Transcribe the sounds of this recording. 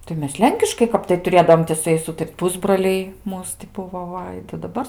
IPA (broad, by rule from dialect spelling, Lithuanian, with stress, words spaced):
tɐɪ ˈmʲɛs ˈlʲɛŋʲkʲɪʃkɐɪ ˈkɐp tɐɪ tʊˈrʲeːdɐoːm tʲɪ sʊ ˈjɛɪs ˈuːtɐrʲtʲ ˈpʊzbroːlʲɛɪ ˈmuːs tʲɪ ˈbʊʋoː ˈʋɐ tɐɪ dɐˈbɐr